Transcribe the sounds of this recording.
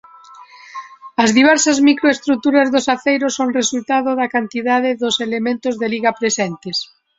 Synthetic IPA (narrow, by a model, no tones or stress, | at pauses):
ɐzðiβ̞ɛɾsɐzmikɾoest̪ɾut̪uɾɐzðʊsaθejɾosoŋresult̪aðʊðɐkant̪iðaðɪðʊselemẽnt̪ʊzðeliɣɐpɾesɛnt̪ɪs